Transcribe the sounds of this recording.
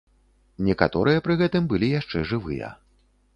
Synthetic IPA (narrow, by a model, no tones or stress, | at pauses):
nʲɛkat̪ɔɾɨjɐpɾɨɣɛt̪ɨmbɨlʲijaʂt͡ʂɛʐɨvɨ̰jɐ̰